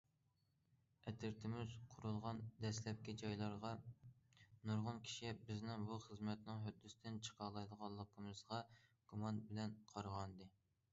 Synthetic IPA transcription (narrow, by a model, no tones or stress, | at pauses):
ɛt̪ʰɪɾt̪ʰɪmɪzqʰʊɾulˠʁɑnd̪ɛslɛp̚kʲid͡ʒɑjlˠɑɾʁɑ | nuɾʁʊnkʲʰi̥ʃibɪznɪŋbuχəzmɛt̪nɪŋɦød̪ːysɪd̪ɪnt͡ʃʰə̥qʰɑlˠɑjd̪əʁɑnlˠəq̚b̥umɨzʁɑɡ̥umɑnbɪlɛnqʰɑɾʁɑnd̪ɨ